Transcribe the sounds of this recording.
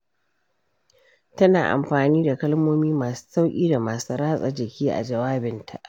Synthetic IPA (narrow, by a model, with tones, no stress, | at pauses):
tɐ˦na̰ː˨ʔa̰˨mɸaː˨niː˦da˨kɐ˦lmoː˦miː˦maː˨su̥ː˦sa˦wkʲʼiː˦da˨maː˨su˦ɾaː˦sʼa̰˨d͡ʒɪ˨kʲiː˦ʔa̰˨d͡ʒɐ˨waː˦bɪ˨ntʰa̰˨ʔ